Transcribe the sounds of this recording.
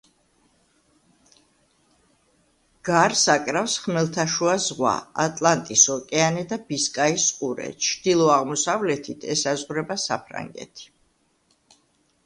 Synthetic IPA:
ɡ̥aɾsakʼɾafsχmɛlˠt̪ʰaʃuazʁwa̰a̰t̪ʼlˠant̪ʼisɔkʼɛanɛd̪abiskʼaisqʼuɾɛ̰t͡ʃʰd̪̥ilˠɔaʁmɔsavlɛt̪ʰit̪ʰɛsazʁɾɛbasa̰pʰɾa̰ŋɡɛ̰t̪ʰi̥

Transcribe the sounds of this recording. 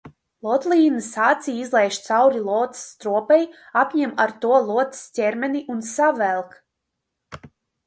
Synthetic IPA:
lˠɔt̪lʲˠiːnɨsaːt̪sʲijizlˠɛjʃt̪sawɾilˠɔːt̪st̪ɾuɔpɛjapʲɲɛmaɾt̪uɔlˠuɔt̪stʲɛɾmʲɛniʔunsavɛlˠk

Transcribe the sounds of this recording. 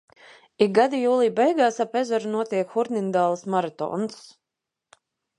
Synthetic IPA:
iɡ̚ɡad̪ijuːlˠiːbɛjɡaːsapɛzɔɾunuɔt̪iɛkxuɾnind̪aːlˠasmaɾat̪ɔ̰ːns

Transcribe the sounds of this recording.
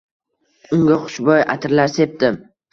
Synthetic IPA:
ʊŋɡʲaχʊ̥ʃbɒja̰t̪ʰɪɾlaɾse̞p̚d̪ɪm

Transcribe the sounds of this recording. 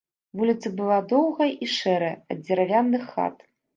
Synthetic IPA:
vulʲit̪sɐbɨlˠad̪ɔwɣɐʔiʂɛɾɐjɐ̰d̪̚ʲd͡zʲɛɾavʲanːɨxːa̰t̪

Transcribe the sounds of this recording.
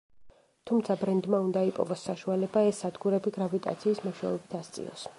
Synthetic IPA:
t̪ʰumt̪sʰabɾɛnd̪maund̪aipʼɔ̰vɔsːaʃualɛbaɛsːad̪ɡuɾɛbiɡɾavit̪ʼa̰t̪sʰiːsmɔʃaɔbit̪ʰast̪sʼḭɔ̰s

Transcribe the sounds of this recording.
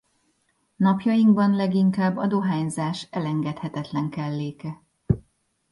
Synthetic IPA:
nɒpjɒjiŋɡbɒnlɛɡiŋkaːbːɒd̪oɦaːɲzaːʃɛlɛŋɡɛt̪hɛt̪ɛt̪lɛŋkɛlːeːkɛ

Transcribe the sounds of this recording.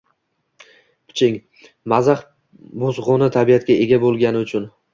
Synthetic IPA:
pʰʊ̥t͡ʃʰɪŋ | mazaχ | bozʁʊnɪt̪ʰabijat̪̚kʲaʔe̞ɡʲabolˠɡʲanɪʊt͡ʃʰʊn

